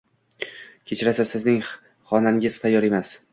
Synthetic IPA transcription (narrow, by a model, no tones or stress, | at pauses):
kʲʰet͡ʃʰɾasasɪznɪŋ | χɒnanɪɡʲɪz̥fajːɒɾe̞mas